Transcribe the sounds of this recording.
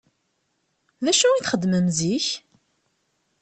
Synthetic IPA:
ðæʃuiθχəd̪ːməmziç

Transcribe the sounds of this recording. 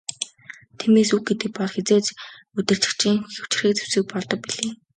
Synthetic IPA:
t̪ʰimeːsuk̚ɡet̪ɘ̆k̚pɔɮxet͡seːt͡ɕ | ɵt̪ɘ̆r̥t͡ɕɪ̆kt͡ɕʰiːŋxʲɵw̥t͡ɕɪ̥̆rxiːk̚t͡su̥sɘ̆k̚pɔɮt̪ɞ̆k̚piɮeː

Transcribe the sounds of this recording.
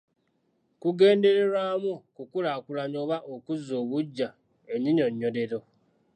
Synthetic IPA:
kuɡeːndeɾeɾamukukuɾakuɾaɲoβaʔokuzoβud͡ʒa | eɲiɲoɲodeɾo

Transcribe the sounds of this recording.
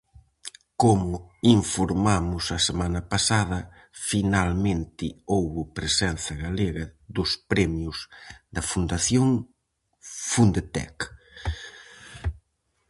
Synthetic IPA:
komʊiɱfoɾmamʊsɐsemanɐpasaðɐ | finalmẽnt̪ɪowβʊpɾesɛnθɐɣaleɣɐðʊspɾɛmjʊzðɐfund̪aθjoŋ | fund̪et̪ɛ̰k

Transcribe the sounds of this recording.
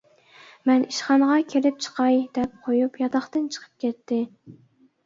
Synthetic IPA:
mɛniʃχɑnʁɑkʲʰelɪp̚t͡ʃʰə̥qʰɑjd̪̥ɛp̚qʰojupjɑt̪ɑχt̪ɨnt͡ʃʰə̥qʰə̥p̚kʲʰɛt̪ːɪ

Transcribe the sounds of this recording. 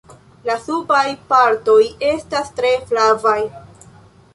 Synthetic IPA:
lasubajpaɾto̞je̞stastɾe̞flavaj

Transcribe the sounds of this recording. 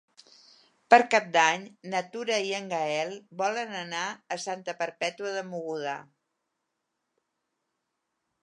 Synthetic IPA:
pəɾkap̚d̪aɲnət̪uɾəiəŋɡəɛlˠbɔlənənaəsant̪əpəɾpɛt̪uəðəmuɣuða̰

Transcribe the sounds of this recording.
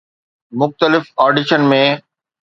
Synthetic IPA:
mʊxt̪əlɪfɔːɖɪʃənmẽː

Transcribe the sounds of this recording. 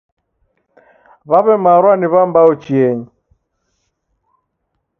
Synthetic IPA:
βaβɛmaɾwaniβambaɔt͡ʃiɛɲi

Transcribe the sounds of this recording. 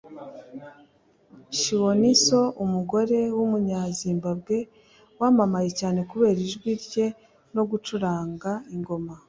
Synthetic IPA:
ʃiwoniso̞ʔumuɡo̞ɾe̞wumuɲaziːmbab̚ɡe̞ | waːmamaje̞caːne̞kuβe̞ːɾiʒɡwiɾɟe̞ | no̞ɡut͡ʃuɾaːŋɡaiŋɡo̞ma

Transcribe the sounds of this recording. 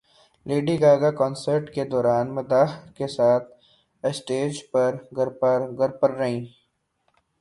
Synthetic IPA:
leːɖiɡaːɡakɔːnsəɾʈked̪ɔːɾaːnmɐd̪aːɦkesaːt̪̚ʰ | əsʈeːd͡ʒpɐɾɡɐɾpəɾɡɐɾpəɾːɐɦĩː

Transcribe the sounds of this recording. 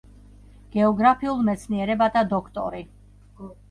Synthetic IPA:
ɡ̥ɛɔɡɾapʰiulˠmɛt̪sʰniɛɾɛbat̪ʰad̪ɔkʰt̪ʼɔ̰ɾi

